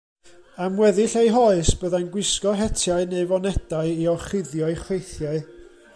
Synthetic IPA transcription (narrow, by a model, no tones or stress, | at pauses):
amwɛðɪɬejɦɔɨsb̥əðajnɡwɪskɔɦɛtʰjaɨneɨvɔnɛdaɨiɔχɪðjɔjχwejθjaɨ